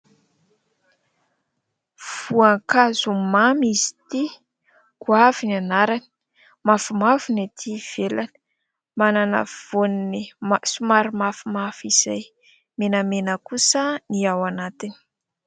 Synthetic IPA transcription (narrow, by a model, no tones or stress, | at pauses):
v̥uaŋkazumamizi̥t̪i | kuavinianaɾani̥ | mafumavinat̪ʰiv̥elani̥ | mananə̰v̥oninisumaɾimafumafiz̥aj | menəmenəkusəniawanat̪ini̥